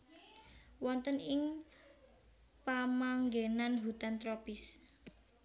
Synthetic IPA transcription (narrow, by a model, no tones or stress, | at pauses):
wɔnt̪ənɪŋ | pamaŋɡenanɦut̪ant̪ɾopɪs